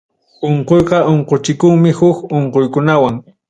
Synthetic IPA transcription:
oɴqojqɑʔoɴqot͡ʃɪkʊŋmɪhʊkoɴqojkʊnawaŋ

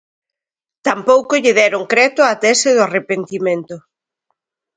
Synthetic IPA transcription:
t̪ampowkoʎɪðɛɾʊŋkɾɛt̪ʊat̪ɛsɪðʊarepent̪imẽnt̪ʊ

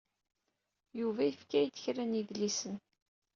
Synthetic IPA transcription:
juvæjəfkæjt̪ːə̥çɾæniðlisən

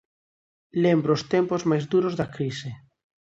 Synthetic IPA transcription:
lembɾoːst̪empozmajzðuɾozðakɾise

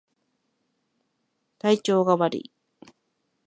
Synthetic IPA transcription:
t̪ait͡ɕo̞ːɡaβaɾḭ

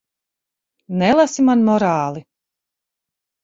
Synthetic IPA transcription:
nɛlˠasimanmɔɾaːlˠi

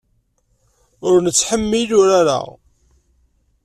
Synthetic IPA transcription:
ʊɾnət͡sːħəmːilʊɾaɾa̰

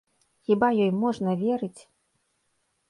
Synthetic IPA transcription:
xʲibajɔjmɔʐnɐvʲɛɾɨt͡sʲ

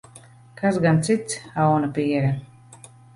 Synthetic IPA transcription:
kasɡant̪sit̪sawnapiɛɾɛ

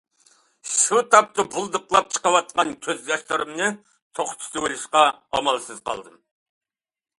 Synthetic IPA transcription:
sut̪ʰɑp̚t̪ɨbulˠd̪ɨqlˠɑp̚t͡ʃʰə̥qɑwɑt̪̚qɑnkʲʰøzd̪ɑʃt̪ɨɾɨmnɨ | t̪ʰoχt̪ʰu̥t̪ɪwelɪʃqɑɑ̰mɑlˠsɨz̥qʰɑ̰lˠd̪ɨm

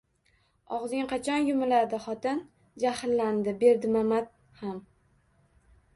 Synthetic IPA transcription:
ɒʁzɪŋqʰɑt͡ʃʰɒnjʊmɪlaɾd̪ɪχɒt̪ɪn | d͡ʒahlːand̪ɪbe̞ɾd̪ɪmamat̪̚ | ham

